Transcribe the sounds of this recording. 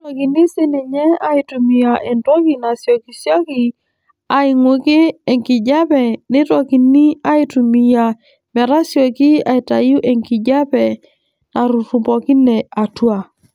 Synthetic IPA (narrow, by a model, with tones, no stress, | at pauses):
tɔ˨ki˨ni˦si˦ni˨ɲɛ˦a˨i˨tu˨mi˨ja˨ʔe˨ntɔ˦ki˨na˨sjɔ˨ki˨sjɔ˦ki˨ | a˨ɪ˨ŋwu˨kɪ˦e˨ŋki˨d͡ʒa˦pɛ˨nɪ˦tɔ˨ki˨ni˦a˦i˦tu˨mi˨ja˨ | mɛ˨ɾa˦sjɔ˨ki˦a˨i˨ta˨ju˦ʔe˨ŋki˨d͡ʒa˦pɛ˨ | na˨ɾu˨tu˨pɔ˨ki˦nɛ˨a˨twa˦˨